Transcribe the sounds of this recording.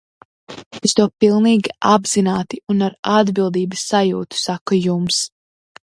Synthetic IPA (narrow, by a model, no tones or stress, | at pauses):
est̪uɔpilˠniːɡʲiabz̥inaːt̪iunaɾad̪bilˠd̪iːbɐsːajuːt̪u̥sakujums